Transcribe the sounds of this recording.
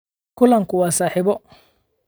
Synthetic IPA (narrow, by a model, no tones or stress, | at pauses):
kʰʊlɐŋkʰʊwɑːsaːħɪβɔ